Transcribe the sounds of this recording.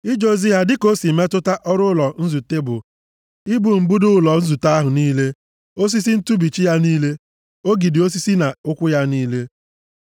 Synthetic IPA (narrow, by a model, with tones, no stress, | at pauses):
i˦d͡ʒo˦zi˦ɦa˦dɪ˦ko˦si˨me˦tʊ˦ta˦ʔɔ˦ɾʊ˦lɔ˨n̩˦zu˨te˦bʊ̰˨ | ɪ˦bu˨m̩˨bu˦dʊ˦lɔ˨n̩˦zu˨ta˦a˦ɦʊ˨niː˦le˦ | o˦s̬i˦s̬i˦n̩˦tu˦bi˨t͡ʃi˦ja˦niː˦le˦ | o˦ɡi˨dɪ˨o˦s̬i˦si˦na˨ʊ˦kʷʊ˦ja˦niː˦le˦